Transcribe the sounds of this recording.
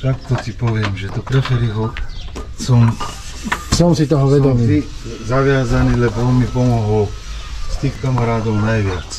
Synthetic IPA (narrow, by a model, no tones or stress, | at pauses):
t̪akt̪ɔsipɔʋɪɛmʒɛt̪ɔpɾɛfɛɾiɦɔ | sɔm | sɔmsit̪ɔɦɔʋɛd̪ɔmiːizaʋɪazaniːlɛbɔɔnmipɔmɔɦɔl | st̪iːxkamaɾaːd̪ɔʊnajʋɪat͡s